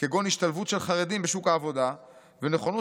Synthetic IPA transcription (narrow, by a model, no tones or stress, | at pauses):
keɡo̞niʃt̪alvutʃe̞lχaʁedimbeʃukaːvo̞da | vene̞χo̞no